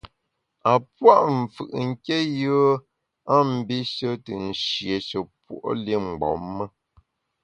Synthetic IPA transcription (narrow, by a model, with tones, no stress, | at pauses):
a˨pwa˦ʔɱ̩˨fɯ̰˨ʔŋ̩˦ke˦jə˦ | a˦˨m̩˨bi˦ʃə˦tə˨n̩˨ʃje˨ʃə˨pwo̰˨ʔli˦ŋ͡m̩˨ɡ͡bɔ̰˨˦mːə˦